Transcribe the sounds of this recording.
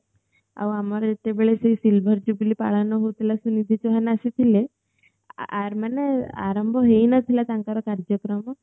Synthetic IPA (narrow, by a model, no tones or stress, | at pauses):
a̰wamaɾet̪ebeɭesəisilbʱəɾd͡ʑublipa̰ɭanɔɦot̪ilasunid̪ʱit͡ɕɔɦanasit̪ʰile | aɾmanea̰ɾəmbʱɔɦeinət̪ʰilat̪aŋkaɾɔkaɾd͡ʑjəkɾəmɔ